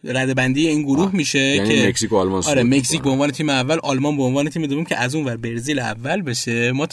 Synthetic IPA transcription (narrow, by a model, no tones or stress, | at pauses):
ɾæd̪ebænd̪iːje̞iːnɡoɾuːhmiːʃe̞ænieeksikoːlmɒnsɒːɾeme̞csiːcbeonvɒːnet̪ʰiːmeævːælʔɒlmɒnbeonvɒːne̞t̪ʰiːmed̪ɒbiːmcʰḛʔæzuːnvæɾbe̞ɾziːlævːælbe̞ʃe̞mɒːt̪